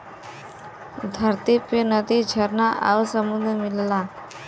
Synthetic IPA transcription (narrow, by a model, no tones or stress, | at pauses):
d̪ʱəɾt̪ipenəd̪id͡ʒʱəɾnaʔa̰ʋsəmund̪ʱmilla